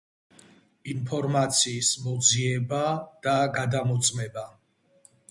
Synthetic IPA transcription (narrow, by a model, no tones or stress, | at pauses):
inpʰɔɾmat̪sʰiːsmɔd̪ziɛbad̪̥aɡad̪amɔt̪sʼmɛba